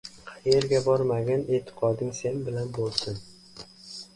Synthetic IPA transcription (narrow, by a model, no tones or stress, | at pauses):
qʰɑjeɾɡʲabɒɾmaɡʲaneːt̪ʰːɪ̥qʰɒd̪ɪŋse̞nbɪlanbolˠsɪn